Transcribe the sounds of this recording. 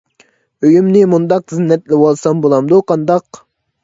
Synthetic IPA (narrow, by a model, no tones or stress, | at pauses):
øjymnɪmund̪ɑqzinːɛt̪lɪwɑlˠsɑmbolˠɑmd̪uqʰɑnd̪ɑq